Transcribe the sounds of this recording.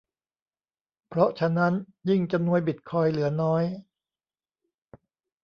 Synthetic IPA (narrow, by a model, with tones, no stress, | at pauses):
pʰɾɔ˦˥t͡ɕʰa˧na˦˥n | ji˥˩ŋt͡ɕa˧mnu˧əjbi˨˩t̪̚kʰɔː˧jlɯ˩˦ɐnɔː˦˥j